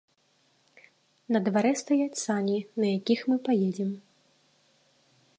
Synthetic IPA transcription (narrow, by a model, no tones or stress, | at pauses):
nɐd̪vaɾɛst̪ajat͡sʲsamʲinɐjakʲixmɨpajɛd͡zʲɛm